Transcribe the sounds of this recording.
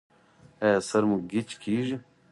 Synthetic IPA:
esɐɾmuɡit͡ʃkʰiːʒi

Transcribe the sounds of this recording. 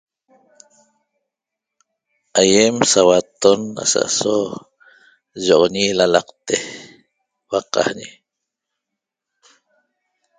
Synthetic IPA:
ajemsawat̪ona̰sa̰ʔso | ʒoʁoɲilalɑqt̪e | waqɑ̰hɲi

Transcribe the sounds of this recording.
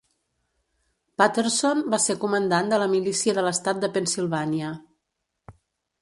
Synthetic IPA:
pat̪əɾsonbasekumənd̪and̪ələmilisiəðələst̪at̪̚d̪əpənsilˠβaniə

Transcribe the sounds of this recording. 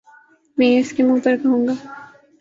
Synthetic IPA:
mɛ̃ːɪskemũːpɐɾkɐɦũːŋɡaː

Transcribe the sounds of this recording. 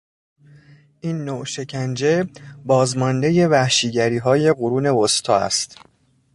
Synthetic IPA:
ʔiːnːoʃe̞cʰænd͡ʒe̞bɒːzmɒnd̪e̞je̞væhʃiːɟæɾiːɦɒːje̞ɢoɾuːne̞ost̪ʰɒːæ̰st̪

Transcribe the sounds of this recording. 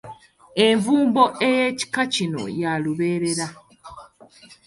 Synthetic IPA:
eɱvuːmbo̞ʔejeːci̥kacino̞̰jaluβe̞ːɾe̞ɾa

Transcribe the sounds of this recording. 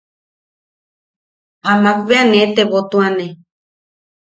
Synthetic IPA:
amãk̚βeanẽt̪eβot̪ũanẽ

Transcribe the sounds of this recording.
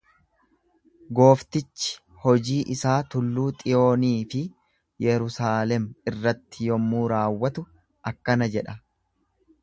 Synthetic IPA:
ɡo̞ːft̪ɪt͡ʃːɪ̥ | hɔd͡ʒiːʔɪsaːt̪ʊlːuːt̪ʼɪjo̞ːniːfɪ | jɛɾʊsaːlɛmɪrːɐt̪ːɪjɔmːuːɾaːwːɐt̪ʊ | ʔɐkːɐnɐd͡ʒɛᶑɐ

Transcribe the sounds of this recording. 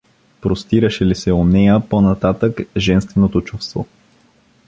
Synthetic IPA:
pɾost̪iɾəʃɛlisɛonɛjəponɐt̪at̪əkʒɛnst̪vɛnot̪ot͡ʃufst̪vo̰

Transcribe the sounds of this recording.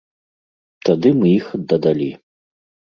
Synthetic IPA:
t̪ad̪ɨmɨixd̪ɐd̪alʲi

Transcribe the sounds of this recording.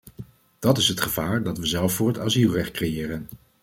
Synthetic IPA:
d̥ɑtɪsɦətχəvaːɹdɑtʋəzɛlˠfʊːɹɦətaːzilˠrɛχt̚krejɪːrən

